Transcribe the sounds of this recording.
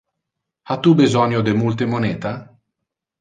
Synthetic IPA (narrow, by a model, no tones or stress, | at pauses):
at̪ːubizɔnjod̪emult̪emonɛːt̪a